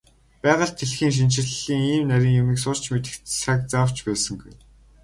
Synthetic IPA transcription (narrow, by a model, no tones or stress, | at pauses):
pæːʁə̆ɮt̪ʰːeɮxiːŋʃ̬int͡ɕɪ̆rɮiːŋiːmnæɾʲiːŋjʊmiːksʊr̥t͡ɕmet̪ɘ̆kt̪sak̚t͡saw̥t͡ɕpæːsə̆ŋɡuj